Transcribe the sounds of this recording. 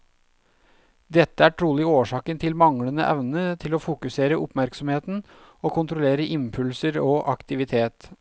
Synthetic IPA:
d̪ɛt̪ːəæːʈʰɾuːlɪoːʂɑːkənt̪ʰɪlmɑŋlənə̰ʔɛ̰ʋnət̪ʰɪloːfʊkʉseːɾəʊpmæɾksɔmheːt̪n̩ | oːkʰʊnt̪ɾʊleːɾəʔɪmpʰʉlsəɾoːʔɑkt̪ɪʋɪt̪ʰeːt̪

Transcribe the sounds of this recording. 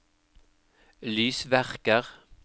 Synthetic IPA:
lyːsʋæʁkəʁ

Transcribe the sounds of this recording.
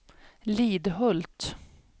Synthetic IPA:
liːd̪ɦɵlt̪

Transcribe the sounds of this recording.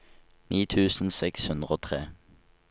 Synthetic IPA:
niːt̪ʰʉːsn̩sɛkshʉnd̪ʁəoːt̪ʰʁeː

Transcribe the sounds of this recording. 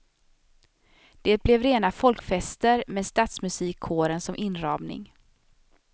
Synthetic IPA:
d̪̥eːt̪̚blɛvɾeːnafɔlkfɛst̪əɾmɛːd̪st̪aːt̪smɵsiːkʰːoːɾənsɔmʔɪnɾɑːmnɪ̰ŋ

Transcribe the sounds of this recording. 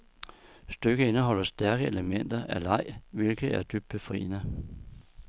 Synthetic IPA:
sd̥øɡ̥əe̝nəɦɒ̽l̰ɐsd̥æɐɡ̥əeləmen̰d̥ɐʔælɑ̈ɪ̰ʋe̝lɡ̥ð̩ˠæɐd̥yb̥̚d̥̚b̥efʁḭːnə

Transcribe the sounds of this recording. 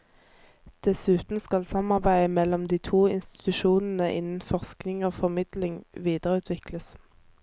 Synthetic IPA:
d̪̥ɛsʉːt̪n̩skɑlsɑmɑʁbæɪəmɛlɔmd̪iːt̪ʰuːɪnst̪ɪ̥t̪ʉʃuːnn̩əʔɪ̰nən̩fɔʁsknɪŋoːfɔʁmɪd̪̥lɪŋʋiːd̪əʁʉːt̪ʰʋɪkləs

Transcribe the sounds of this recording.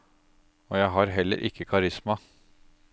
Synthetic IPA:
oːjæɪɦɑɾɦɛlːə̰ɾʔɪ̰kːəkʰɑɾɪsmɑ

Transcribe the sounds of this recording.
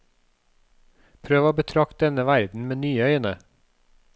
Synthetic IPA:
pʰɾøːʋəoːbət̪ʰɾɑk̚t̪̚d̪ɛnəʋæɾd̪n̩meːnyːəœʏənə

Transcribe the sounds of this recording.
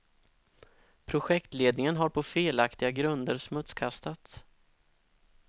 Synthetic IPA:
pʰɾʊɧɛkt̪leːd̪nɪŋənɦaɾpʰɔfeːlakt̪ɪɡaɡɾɵnd̪əɾsmɵt̪skʰast̪at̪s

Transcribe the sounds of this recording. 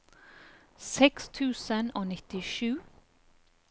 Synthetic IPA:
sɛkst̪ʰʉːsənoːnɪt̪ɪʃʉː

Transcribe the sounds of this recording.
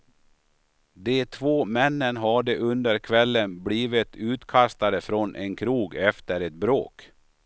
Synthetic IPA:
d̪ɛt̪ʰvoːmɛnːənɦaɖəʔɵnd̪əɾkʰvɛlːənbliːvɪt̪ʰʉːt̪kʰast̪ad̪əfɾɔnʔɛnkʰɾuːɡɛft̪əɾɛt̪̚bɾo̰ːk

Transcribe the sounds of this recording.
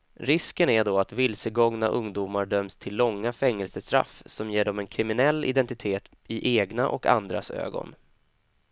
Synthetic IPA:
ɾɪskənæɖoːat̪vɪlsəɡɔŋnaʔɵŋd̪uːmaɖœmst̪ʰɪlːɔŋːafɛŋːəlsəst̪ɾa̰fːsɔmjeːɖɔmɛnkʰɾɪmɪnɛlːɪ̰d̪ɛnt̪ɪt̪ʰeːt̪ | ɪʔeːɡnaʔɔka̰nd̪ɾa̰sø̰ːɡɔ̰n

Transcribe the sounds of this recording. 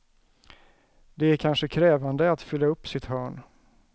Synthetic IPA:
d̪ɛæɾkʰanʂəkʰɾɛːvand̪əat̪fʏlːaɵpːsɪt̪hœːɳ

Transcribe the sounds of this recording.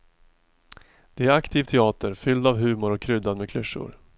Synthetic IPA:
d̪̥ɛæɾakt̪ʰiːvt̪ʰɛɑːt̪əɾfʏld̪avɦʉ̟ːmʊɾɔkʰːɾʏd̪ad̪mɛkʰlɵʂːʊ̰ɾ

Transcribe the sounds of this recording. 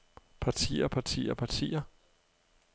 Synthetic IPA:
pʰɑ̈t͡sʰḭːɐpʰɑ̈t͡sʰḭːɐpʰɑ̈t͡sʰḭːɐ

